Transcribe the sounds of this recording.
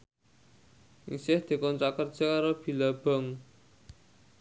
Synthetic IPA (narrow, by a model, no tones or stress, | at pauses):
ʔḭsɪhd̪̥i̤kɔnt͡ʃakərd̥ʒ̥a̤kaɾob̥i̤lab̥a̤ŋ